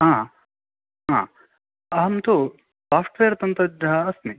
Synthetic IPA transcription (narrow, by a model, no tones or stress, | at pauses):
ɦãː | ɦã̰ | ɐɦɐmt̪u | saːfʈʋeːɾɐt̪ɐnt̪ɐd͡ʒɐɦɐːsni